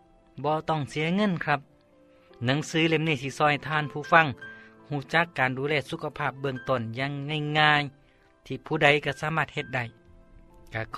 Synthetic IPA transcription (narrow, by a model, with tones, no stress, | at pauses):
bɔː˧t̪ɔ˧˩ŋsi˨˦ɐŋɤ˧˥˨nkʰɾa˧˥p̚ | na˧˦ŋsɯː˨˦le˧˨mniː˧˩t̪ʰiː˧˩sɔː˧˩jt̪ʰaː˧˥˨npʰuː˧˨fa˧˨ŋ | huː˧˩t͡ɕa˧˦kːaː˨nduː˨˦lɛː˧˨su˧˥kʰa˧pʰaː˧˩p̚bɯ˧əŋt̪o˧˩˨njaː˧˥˨ŋːa˧˩˨jŋaː˧˥j | t̪ʰiː˧˩pʰuː˧˩da˨˧˩jka˧˩saː˧˦maː˧t̪̚he˧t̪̚da˧˩j | ka˧˩